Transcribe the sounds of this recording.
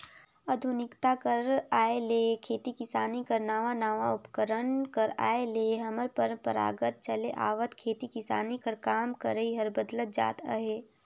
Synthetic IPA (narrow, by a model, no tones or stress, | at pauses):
ɐd̪ʱunɪkt̪akəɾaːeleːkʰeːt̪ikɪsaːnikɐɾnaːʋanaːʋaʊpkəɾənkəɾa̰ːeleːɦɐməɾpəɾpəɾa̰ːɡət̪̚t͡ʃɐleʔa̰ːʋət̪kʰeːt̪ikɪsa̰ːnikɐɾkaːmkɐɾəiɦɐɾbəd̪lət̪̚d͡ʒa̰ːt̪a̰ɦeː